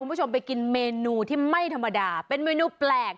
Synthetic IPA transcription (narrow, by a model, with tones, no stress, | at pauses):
ku˧nbt͡ɕʰo˧mpa˧jki˧nmeː˧nuː˧t̪ʰiː˥˩ma˥˩jt̪ʰa˧mːa˧daː˧pe˧nmeː˧nuː˧plɛː˨˩k̚